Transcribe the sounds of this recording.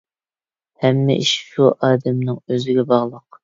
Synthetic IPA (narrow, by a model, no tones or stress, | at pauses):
hɛmːɪ̰ʔiʃʃuʔɑːd̪ɛmnɨŋøzɪɡʲɛbɑʁlˠəq